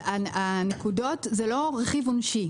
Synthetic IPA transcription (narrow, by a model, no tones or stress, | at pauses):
aanekudo̞tzelo̞ʁeχivonʃi